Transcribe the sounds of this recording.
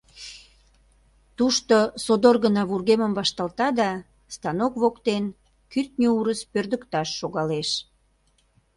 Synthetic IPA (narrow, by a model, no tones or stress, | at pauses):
t̪uʃt̪osod̪orɣənɑβurɣeməmβɑʃt̪ɑlt̪ɑd̪ɑ | st̪ɑnokβokt̪en | kyrt̪̚nʲouɾəspørd̪əkt̪ɑʃːoɣɑleʃ